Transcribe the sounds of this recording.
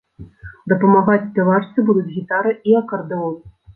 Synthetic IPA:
d̪ɐpɐmaɣat͡sʲsʲpʲavat͡ʂt̪sɨbud̪ut͡sʲɣʲit̪aɾɨiɐkɐrd̪ɨɔlˠ

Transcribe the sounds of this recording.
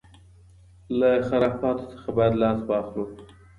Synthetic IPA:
laxaɾɑfɑt̪o̥sə̥xabɑjad̪lɑsbɑxlu

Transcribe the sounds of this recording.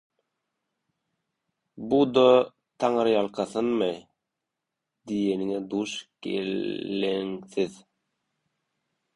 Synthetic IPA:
bud̪o | t̪ʰɑŋɯɾjɑlˠqʰɑθɯnmɯ | d̪ijeniŋed̪uʃɡḛlːeŋθið

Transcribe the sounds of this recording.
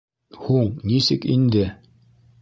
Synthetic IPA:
huɴnisɘkind̪ɘ

